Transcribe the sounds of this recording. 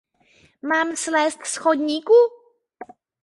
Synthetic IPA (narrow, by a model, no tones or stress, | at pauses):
mamslɛstskʰoɲiku